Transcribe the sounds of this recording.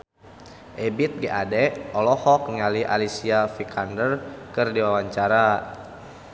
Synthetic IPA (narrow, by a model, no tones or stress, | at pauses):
ʔɛbit̪̚ɡɛʔadɛɔlɔhɔk̚ŋaliʔa̰lisiafikʰandərkɨrdiwawaɲt͡ʃaɾa